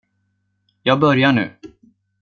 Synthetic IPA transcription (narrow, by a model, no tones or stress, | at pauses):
jɑːɡbœɾjaɳʉ̟̰ː